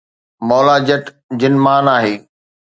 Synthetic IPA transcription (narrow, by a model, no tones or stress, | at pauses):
mɔːlad͡ʑɐʈ | d͡ʑɪnmaːnaːɦeː